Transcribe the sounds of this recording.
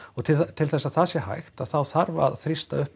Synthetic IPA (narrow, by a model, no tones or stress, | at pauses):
ɔɣt̪ʰɪlt̪ʰɪlθɛsːaðθaðsjɛha̰jxt̪aðθawθaɾvaa̰ðθɾist̪a̰œhp